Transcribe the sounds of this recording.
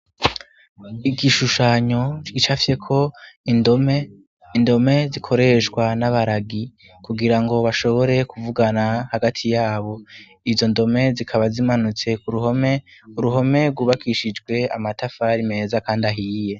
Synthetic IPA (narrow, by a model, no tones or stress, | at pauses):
iɡiʃuʃaɲo̞t͡ʃɡ̥it͡ʃafi̥je̞kʰo̞indome | indo̞me̞zikʰo̞ɾe̞ʃɡwanaβaɾaɡi | kuɡiɾaŋɡo̞βaʃo̞βo̞ɾe̞kuvuɡanahaɡatʰijaːβo̞ | izo̞ndo̞me̞zikʰaβazimanut͡se̞kuɾuɦomeuɾuɦo̞me̞ɾɡuβakʰiʃid͡ʒɡwe̞a̰matafaɾime̞ːzakaːndaɦiːje̞